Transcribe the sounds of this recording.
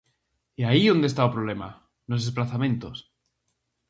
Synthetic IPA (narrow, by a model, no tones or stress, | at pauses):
iaiond̪est̪aopɾoβlema̰ | nozðesplaθamẽ̞nt̪os